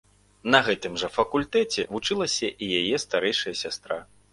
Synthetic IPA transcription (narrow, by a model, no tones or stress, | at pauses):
nɐɣɛt̪ɨmʐɐfɐkulʲt̪ɛt͡sʲɛ̰vut͡ʂɨlˠɐsʲɐʔijajɛst̪aɾɛjʂɐjɐsʲast̪ɾa